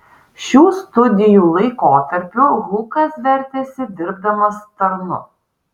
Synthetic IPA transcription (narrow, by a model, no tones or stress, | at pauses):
ʃʲuːst̪ʊd̪ʲɪjuːlˠɐɪkoːt̪ɐɾʲpʲʊɣuːkɐsʋʲɛɾʲt̪ʲeːsʲɪd̪ʲɪɾb̚d̪ɐmɐst̪ɐɾnʊ̰